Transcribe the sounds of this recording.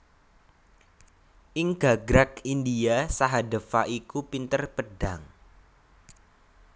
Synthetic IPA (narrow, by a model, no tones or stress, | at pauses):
ʔiŋɡaɡɾak̚indiasaɦadəfaʔikupint̪ərpəɖ̥aŋ